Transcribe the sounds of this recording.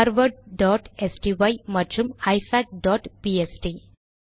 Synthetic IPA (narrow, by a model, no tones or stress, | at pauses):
aɾʋəɖ̚ɖɔʈesʈiʋajmɐt͡ʃumajsaʈ̚ɖɔʈpiesʈi